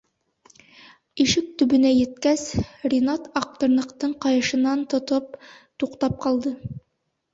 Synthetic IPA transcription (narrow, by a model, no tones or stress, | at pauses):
iʃɘk̚t̪ɵ̆bɵ̆næjɘ̆t̪̚kæsrʲinat̪ɑq̚t̪ŏɾnɤ̆qt̪ɤɴqɑjɤ̆ʃɤ̆nɑnt̪ŏt̪ɤp̚ | t̪uqt̪ɑp̚qɑlˠd̪ɤ